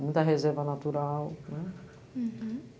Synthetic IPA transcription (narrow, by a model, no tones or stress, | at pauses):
mũj̃t̪ɐɦezɛɾvɐnat̪uɾawnɛ